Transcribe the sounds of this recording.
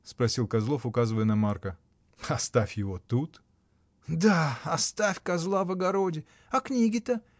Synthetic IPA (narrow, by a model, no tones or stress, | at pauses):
spɾɐsʲilˠkɐzlˠo̞fʊkazɨvəjənɐmarkə | ɐst̪afʲjɪvot̪ut̪ | d̪aɐst̪afʲkɐzlˠavɐɡɐɾodʲɪ | ɐknʲiɡʲɪt̪ə